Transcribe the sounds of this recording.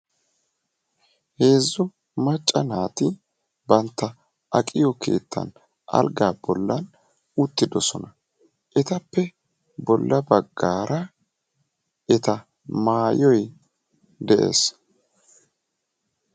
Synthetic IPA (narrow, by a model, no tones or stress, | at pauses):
he̞ːzːʊ | mɐt͡ʃʼːɐnaːt̪ɪ | bɐnt̪ːɐ | ʔɐkʼɪjɔke̞̰ːt̪ʰːɐ̰n | ʔɐ̰lɡaːbɔlːɐn | ʊt̪ːɪd̪ɔsɔnɐ | ʔɛt̪ɐpːɛ | bɔlːɐbɐɡːaːɾɐ | ʔɛt̪ɐ | maːjɔj | d̪ɛʔe̞̰ːs